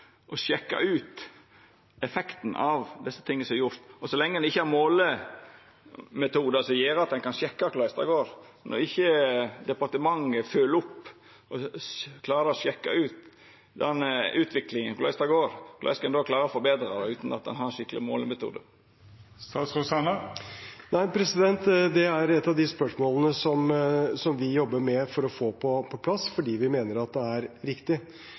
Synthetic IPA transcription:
ʔɔʃɛkːɑ̰ʉːt̪ | ɛfɛkt̪n̩ʔɑʋd̪ɛsːə̥t̪ʰɪŋːəsɔmɛɾjʊɾt̪ɔsɔlɛŋːəd̪ɪçːəhɑɾmoːlə | mɛt̪ʰuːd̪əsɔjeːɾəɑt̪̚d̪ɛnkʰɑnɕɛkːɑkʰlɑʏst̪ɑ̰ɡoːɾ | nɔ̰ɾɪçːəd̪ɛpɑɾt̪əmɑŋːəfølʊpː | ɔkʰlɑːɾəɾɔɕɛkːɑ̰ʉːt̪ | d̪ɛnːʉːt̪ʰʋɪklɪŋənkʊlæ̰ɪst̪ɑɡoːɾklɑ̰ɪskɛnd̪oːkʰlɑːɾəɾɔfɔɾbeːd̪ɾɑd̪ɛʉːt̪n̩ɑt̪̚ɛ̰nɦɑɾɛnʂɪkːəlɪmoːlmɛt̪ʰṵːd̪ə̰ | st̪ɑːt̪sʁʊsɑnə | næɪpʰɾɛsɪd̪ɛnt̪d̪ɛæɾɛt̪ːɑʋd̪ɪspœʂmoːlənəsɔmsɔmʋɪjɔbːəɾmɛfɔɾɔfoːpʰɔpʰɔpʰlɑsfɔɖiːʋɪmeːnəɾɑt̪̚d̪ɛæɾɾɪkt̪ɪ

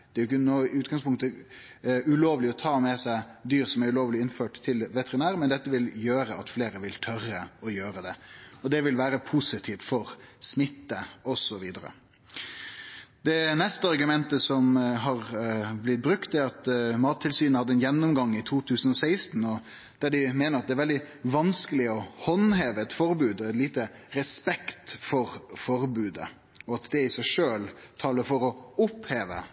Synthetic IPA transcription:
dd̪̥ɛæɾjɪkːənoːɪʉːt̪ɡɑŋspʊŋt̪ə | ʉloːʋlɪɔt̪ʰɑːmɛsæɪd̪yːɾsɔmæɾʉloːʋlɪɪnføːʈt̪ʰɪlʋɛt̪ɛɾɪnæːɾmɛnd̪ɛt̪ːəʋɪljøːɾəɑt̪fleːɾəʋɪlt̪ʰœrːəɔjøːɾəd̪ɛɔd̪ɛʋɪlʋæːɾəpʰusɪt̪ʰiːft̪fɔɾsmɪt̪ːəɔsɔʋiːd̪əɾə̰ | d̪ɛnɛst̪əɑʁɡʉmɛnt̪əsɔmɦɑʁblɪt̪̚bɾʉkt̪d̪æɾɑt̪mɑːt̪ʰːɪlsyːnəhɑd̪ːəɛnjɛnːʊmɡɑŋːɪt̪ʰuːt̪ʰʉːsən̩ɔsæɪst̪n̩ɔ | d̪̥æɖɪmeːnəɾʁɑt̪̚d̪ɛæɾʋɛld̪ɪʋɑnskəlɪɔhɔnɦeːʋəɛt̪fɔɾbʉːd̪ɔɛt̪liːt̪əɾɛspɛkt̪fɔɾfɔɾbʉːd̪ə̰ | ɔɑt̪d̪ɛɪsæɪʂøːlt̪ʰɑːləɾfɔɾɔʊpheːʋə̰

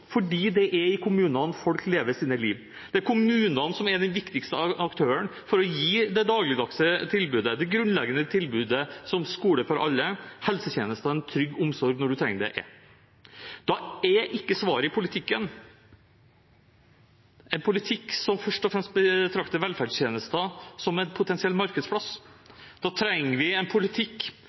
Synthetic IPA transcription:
fɔɖiːd̪ɛʔæɾɪkʰʊmʉːnɑnfɔlkleːʋəɾsiːnəliːʋ | d̪̥ɛæɾkʰʊmʉːnɑnsɔmæɾd̪ɛnʋɪkt̪ɪkst̪əɑkt̪ʰøːəɳfɔɾɔjiːd̪ɛd̪ɑːɡlɪd̪ɑksət̪ʰɪlbʉːd̪əd̪ɛɡɾʉnlɛɡənət̪ʰɪlbʉːd̪əsɔmskuːɽəɾfɔɾʔɑlːəhɛlsət̪jeːnəst̪ənt̪ʰɾʏɡːʊmsɔɾɡnɔɖʉt̪ʰɾɛŋːəɖɛ̰ʔɛ̰ | d̪̥ɑɛʔɪkːəsʋɑːɾəɪpʰʊlɪt̪ʰɪkːən | ɛnpʰʊlɪt̪ʰɪkːsɔmfœʂʈɔfɾɛmst̪̚bət̪ʰɾɑkt̪əɾʋɛlfæɖʂt̪ʰjeːnəst̪əsɔmɛnpʰʊt̪ɛnsɪɛlːmɑɾkəd̪spʰlɑsd̪̥ɑt̪ʰɾɛŋəʋɪɛnpʰʊlɪt̪ʰɪkː

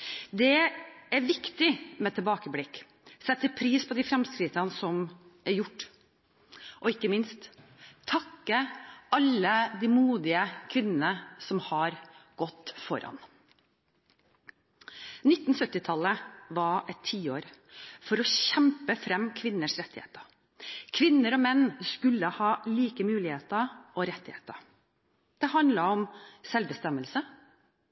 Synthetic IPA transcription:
d̪ɛæɾʋɪkt̪ɪmɛːt̪ʰɛlbɑːkəblɪkː | sɛt̪ʰːəpʰɾiːspʰɔd̪ifɾɛmskɾɪt̪ənsɔmæɾjʊʈː | ʔɔɪkːəmɪnst̪ʰː | ɑkːəɑlːəd̪imuːd̪ɪəkʰʋɪnənəsɔmhɑɾɡ̥ɔt̪ːfɔ̰ɾɑ̰n | nɪt̪ːn̩sœt̪ːɪt̪ʰɑlːəʋɑɛt̪ʰːiːoːɾfɔɾɔɕɛmpəfɾɛmkʰʋɪnːəʂɾɛt̪ːɪhḛːt̪ə | kʰʋɪnːəɾɔmɛnːskʉlːəhɑːliːkəmʉːlɪheːt̪əʔɔɾɛt̪ːɪhḛːt̪ə | d̪̥ɛɦɑnd̪ləɾɔmsɛlʋbəst̪ɛməlsə

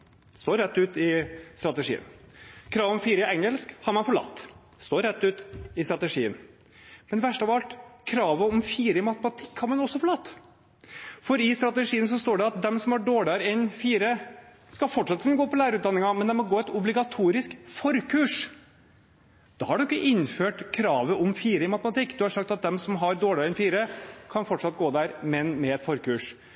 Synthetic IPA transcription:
st̪oːɾɛt̪ːʉːt̪ɪst̪ɾɑt̪əʂḭːə̰nkʰɾɑːʋɔmfiːɾəɛŋːəlskhɑɾmɑnfɔɭɑ̰t̪ː | st̪oːɾːɛt̪ːʉːt̪ɪst̪ɾɑt̪əʂḭːə̰n | mɛnʋæʂʈɑʋɑlt̪kʰɾɑːʋəɔmfiːɾəɪmɑt̪əmɑt̪ʰɪkːhɑɾmɑnɔsːɔfɔɭɑt̪ː | fɔɾɪst̪ɾɑt̪əʂiːəns̬ɔst̪oːɖɛɑt̪̚d̪ɛmsɔmæɖoːɭɪɑɾɛnfiːɾə | skɑfɔʈʂɑt̪̚kʰʉnːəɡoːpɔlæːɾəʉːt̪d̪ɑnːɪŋɑmɛnd̪ɛmɔɡoːɛt̪ʊblɪɡɑt̪ʰuːɾɪskfɔɾkʰʉːʂ | d̪̥ɑːhɑɖʉɪkːəʔɪnːføːʈkʰɾɑːʋəʔɔmfiːɾəɪmɑt̪əmɑt̪ɪkːd̪ʉhɑɾʂɑkt̪ɑt̪̚d̪ɛmsɔmɦɑɾd̪oːɭɪɑɾɛnfiːɾəkʰɑnfɔʈʂɑt̪̚ːɡoːd̪æɾmɛnmɛɛt̪fɔɾkʉːʂ

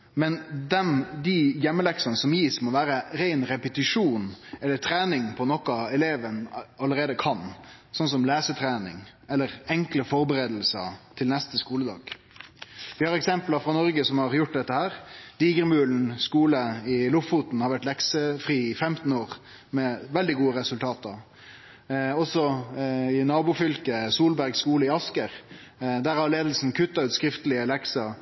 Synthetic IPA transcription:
mɛnd̪ɛnd̪ɪjɛmːəlɛksɑnəsɔmjiːsmɔʋæːɾəɾæɪnɾɛpət̪ɪʂuːnɛlːət̪ʰɾæːnɪŋpʰɔnɔkːɑɛleːʋənɑlːəɾeːd̪əkʰɑnsɔns̬ɔmlæːsət̪ʰɾæːnɪ̰ŋɛlːəɾɛŋkləfɔɾbəɾeːd̪l̩sə̰t̪ʰɪlnɛst̪əskuːləd̪ɑ̰ːɡ̥ | ʋɪhɑɾɛksɛmplɑfɾɑnɔɾɡəsɔmhɑɾjʊʈ̚ːd̪ɛt̪ːəhæːɾd̪̥iːɡəɾmʉːln̩skuːləɪlʊfffuːt̪n̩hɑɾʋæʈlɛksəfɾiːɪfɛmt̪n̩oːʁ | mɛʋɛld̪ɪɡuːəɾɛsʉlt̪ʰɑːt̪ɑ | ɔsɔɪnɑːbuːfʏlkəsuːlbæɾɡskuːləɪɑskəɾ | d̪æɾhɑɾleːd̪l̩sn̩kʰʉt̪ːɑʉːt̪skɾɪft̪əlɪəlɛksɑ

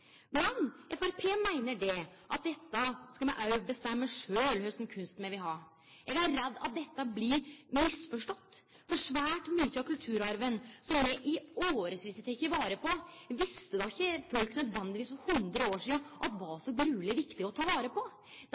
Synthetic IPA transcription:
mɛnʔɛfæɾpʰeːmæɪnəɖɛʔɑt̪̚d̪ɛt̪ːəskɑlmɛʔɑʉbəst̪ɛmːəʂøːlhœsɛnkʰʉnst̪mɛʋɪɦɑɾ | ɛɡæɾɾɛd̪ːɑt̪̚d̪ɛt̪ːəblɪmɪsfɔʂʈɔt̪ː | fɔɾʂʋæːʈmyːt̪əɑkʰʉlt̪ʰʉːɾɑɾʋənsɔmːɛʔɪoːɾəsʋɪsət̪ʰɛçəʋɑːɾəpʰɔ | ʋɪst̪əd̪ɑɪçːəfɔlknœd̪ʋɛnd̪ɪʋiːsfɔhʉnd̪ɾəoːʂiːəʔɑt̪ʋɑsɔɡɾʉːlɪʋɪkt̪ɪɔt̪ʰɑːʋɑːɾəpʰɔ

